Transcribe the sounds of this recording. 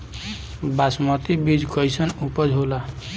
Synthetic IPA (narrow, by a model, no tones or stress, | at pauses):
basmɔt̪ibid͡ʒkɔjsʌnupɔd͡ʒʱɦola